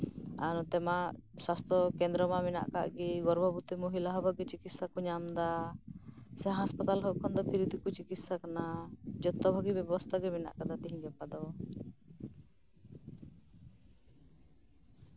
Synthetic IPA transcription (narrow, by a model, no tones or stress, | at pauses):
a̰nɔt̪ɛmaswast̪ʰɾɔkɛnd̪ɾɔmamɛna̰ʔka̰ʔɡiɡɔɾbʱɔbut̪ɛmoɦilaɦɔbaɡɛt͡ʃikit̪sakɔɲamd̪a | sɛɦaɦaspat̪alɦɔʔkʰɔnd̪ɔpʰiɾid̪ʱikut͡ʃikit̪sakanad͡ʒɔt̪ːɔbʱaɡibɛbɔst̪ʰaɡɛmɛna̰ʔkad̪at̪iɦĩɡɛpad̪ɔ